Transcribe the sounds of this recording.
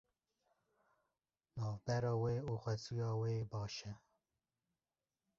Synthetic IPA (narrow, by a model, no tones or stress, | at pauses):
nɑːvbɛɾɑːweːuːxʷɛsujɑːweːbɑːʃɛ